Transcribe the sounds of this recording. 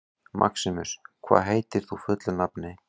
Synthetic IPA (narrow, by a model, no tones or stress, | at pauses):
mʔa̰ksɪmʏskʰva̰ːðɦeːjt̪ɪɾ̥θufʏt̪lʏnapnɪ